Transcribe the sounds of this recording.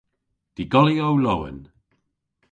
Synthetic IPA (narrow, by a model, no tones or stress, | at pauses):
d̥iɡɔlˠiowlowə̰n